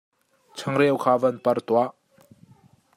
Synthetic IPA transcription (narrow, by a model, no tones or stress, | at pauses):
t͡sʰɐŋɾɛwkʰaːvɐnpɐrt̪uaʔ